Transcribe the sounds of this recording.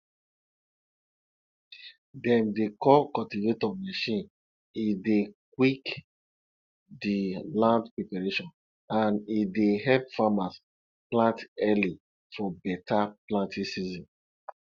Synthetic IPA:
dɛ̃mdekɔkɔltivetɔmaʃĩn | idekwik | dilãndpɹepaɹeʃɔ̃n | ãnideɦɛlpfamas | plãntɛli | fɔbɛtaplãntĩsizɔ̃n

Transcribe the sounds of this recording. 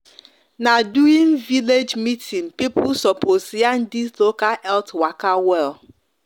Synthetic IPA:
naduiŋ̩viled͡ʒmitʰiŋpipʊsɔposian̩dislokaɛltwakawɛl

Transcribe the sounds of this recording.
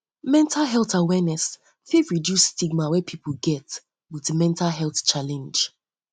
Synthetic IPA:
mɛ̃ntʰalɦɛlθawɛnɛs | fiɹidjusːtiɡ̚mawɛpʰipʰəlˠɡɛt | wiðmɛ̃ntʰalɦɛlˠθt͡ʃalɛ̃nd͡ʒ

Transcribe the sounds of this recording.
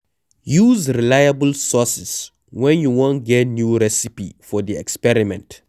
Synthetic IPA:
juzɹilajabəlsɔsɛs | wɛ̃njuwɔ̃ntɡɛt̚njuɹɛsipifɔdiɛkspɛɹimɛ̃nt

